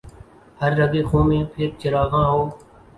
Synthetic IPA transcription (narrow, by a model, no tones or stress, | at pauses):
həɾːəɡeːxõːmẽːpʰɪɾt͡ʃɪɾaːɡãːɦoː